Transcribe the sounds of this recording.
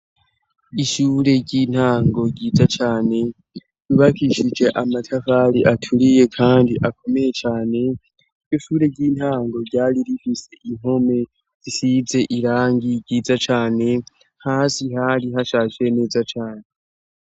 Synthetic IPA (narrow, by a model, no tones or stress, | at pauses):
iʃuɾe̞ɟin̥haːŋɡo̞ɟiːzat͡ʃaːne̞ | juβakʰiʃid͡ʒe̞ʔamatʰafaɾiʔatʰuɾije̞kʰaːndiʔakʰo̞me̞je̞t͡ʃaːne̞̥ | joʃuːɾe̞ɟiːn̥haːŋɡo̞ɾɟaːɾiɾifise̞ʔiŋ̥ho̞me̞ | z̥isize̞ʔiɾaːŋɡiɟiːzat͡ʃaːne̞ | haːsiɦaɾiɦaʃaːʒwe̞ne̞ːzat͡ʃaːne̞